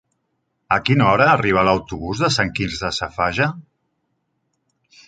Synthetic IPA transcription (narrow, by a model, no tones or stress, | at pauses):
əkinɔɾəːriβ̞aləwt̪uβuzðəsaŋkinzðəsafaʒa